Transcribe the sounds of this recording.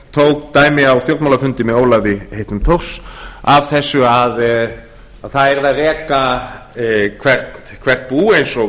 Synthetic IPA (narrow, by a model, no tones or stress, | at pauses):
t̪ʰowk̚t̪aːjmɪawst̪jowɾt̪mawlafʏnt̪ɪmɛðoːwlaɣvɪhejht̪nʏmt̪ʰowksav̥θɛsːʏað | aðθaðɛɾðaðrɛːka | kʰvɛr̥t̪ | kʰvɛr̥t̪̚puːejnsɔ